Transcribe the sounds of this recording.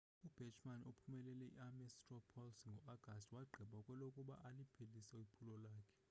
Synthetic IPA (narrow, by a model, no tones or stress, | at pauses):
ub̥ʱɛnt͡ʃʰʼmanopʰumɛlɛlɛiamɛstrɔpʰɔlsŋɡʱɔaɡ̥ʱastwaɡ͡ǃʱiɓakʼwɛlokʼuɓa̰ʔalipʰelisɛwipʰulɔlaːkʰɛ̥